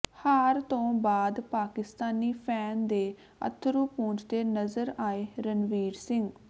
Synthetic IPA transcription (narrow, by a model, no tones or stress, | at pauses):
haːɾt̪õːbaːd̪paːkɪst̪aːniːpʰɛːnd̪eː | ə̰t̪ʰɾuːpũːt͡ʃd̪eːnəzəɾaːeːɾənʋiːɾsɪŋɡ